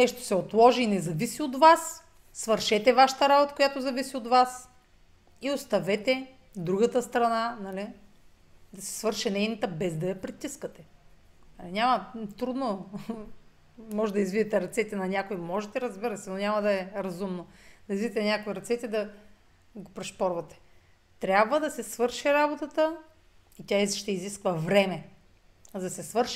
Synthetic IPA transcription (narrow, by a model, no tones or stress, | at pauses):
nɛʃt̪o̥sɛot̪lˠɔʒiːnɛzɐvisiod̪vasː | vəɾʃɛt̪ɛvaʃɐ̥t̪ɐɾabot̪əkojat̪ozɐvisiot̪vas | iost̪ɐvɛt̪ɛ | d̪ɾuɡət̪əst̪ɾɐnanɐli | d̪ɐsɛ̥svəɾʃɛnɛjnɐt̪əbɛzd̪ɐjɐpɾit̪iskət̪ɛnɐlinʲamɐt̪ɾud̪no | mɔʒɛd̪ɐizvid̪ɛt̪ɛɾɐt̪sɛt̪ɛnɐnʲakojmɔʒɛt̪ɛɾɐzbiɾəsɛnonʲamɐd̪ɐɛɾɐzumnod̪ɐizvid̪ɛt̪ɛnʲakoiɾɐt̪sɛt̪ɛd̪ɐ | ɡopɾɛʃpɔɾvɐt̪ɛ̥ | t̪ɾʲabvəd̪ɐsɛsvɤɾʃiɾabot̪ət̪ə | it̪ʲaiʃt̪ɛiziskvəvɾɛmɛ | zɐsɛsvɤɾʃ